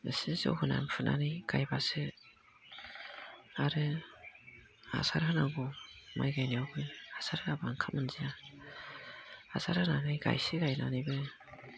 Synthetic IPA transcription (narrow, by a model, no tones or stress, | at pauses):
ɯsizɔ̰wɦɯna̰npʰɯna̰najɡ̥ajbasɯ | aɾɯ | a̰saɾhɯnaɡɔmajɡajniawɡɯasaɾhɯnabaŋkʰamɯnzija | a̰saɾhɯnanajɡa̰jsiɡajnanijbɯ